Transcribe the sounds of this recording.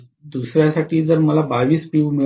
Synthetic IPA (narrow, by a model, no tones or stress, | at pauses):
d̪usɾjasaʈiːd͡zəɾməlabaʋiːspiʋmi